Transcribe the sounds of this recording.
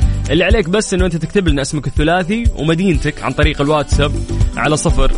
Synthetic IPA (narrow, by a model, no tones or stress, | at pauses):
ʔɪlːiʕaleːkbasːʔɪnːuʔɪnt̪at̪ɪkt̪ablnʔasmakɪθːʊlaːθiwmad̪iːnt̪akʕa̰nt̪ˤɑɾiːqalwaːt̪sabʕalasˤɑfɑɾˤ